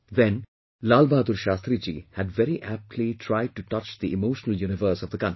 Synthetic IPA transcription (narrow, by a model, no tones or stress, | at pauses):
ʋɛ̃n | laːlbaːd̪uɾʃaːst̪ɾid͡ʒḭhæɖʋɛɾiʔæp̚ʈʰliʈʰɾaɪɖ̚ʈuʈʌt͡ʃd̪iʔɪmoːʃənəljuːñɪʋəɾsɔvd̪əkʌ̃n